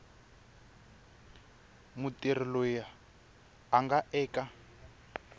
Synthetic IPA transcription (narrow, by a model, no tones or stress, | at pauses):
mutir̤ilɔjaː | ŋɡaʔɛːka